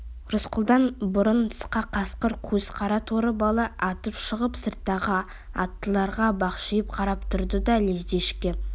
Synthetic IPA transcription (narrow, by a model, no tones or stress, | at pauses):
rʊsqəlˠd̪ɑnbʊɾənʰə̥sqɑqʰɑsqəɾkʲʰɵz̥qʰɑɾɑt̪ʰoɾəbɑlˠɑʔɑt̪əpʃəʁəpsərt̪ːɑʁɑ | ɑt̪ːəlˠɑɾʁɑbɑqʃijəp̚qʰɑɾɑpt̪ʰʊɾd̪əd̪ɑlezd̪e̞ʃkʲe